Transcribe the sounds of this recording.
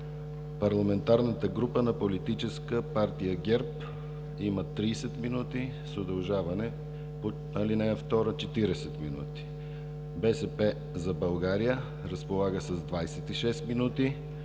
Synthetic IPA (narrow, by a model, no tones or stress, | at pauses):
pɐɾlˠɐmɛnt̪aɾnət̪əɡɾupənɐpolit̪it͡ʃɛskəpaɾt̪ijəɡʲɛɾp | imət̪ɾiːsɛt̪minut̪i | sod̪ɐlˠʒavɐnɛ | po | alinɛəft̪ɔɾət͡ʃɛt̪iɾɛsɛt̪minṵt̪i̥ | bɛsɛpɛ | zɐbɐlˠɡaɾijə | ɾəspolˠaɡəsəzd̪vajsɛt̪iʃɛst̪minut̪i